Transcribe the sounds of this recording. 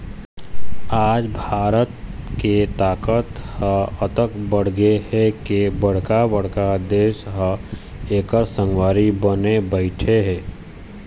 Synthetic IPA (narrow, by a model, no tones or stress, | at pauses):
aːd͡ʒbʱaːɾət̪ket̪aːkət̪həət̪əkbəɽ̤ɡehɛkebɐɽ̤kabəɽ̤kad̪eːʃɦə | eːkəɾsə̃ŋwaːɾibənebəɪʈʰeɦɛː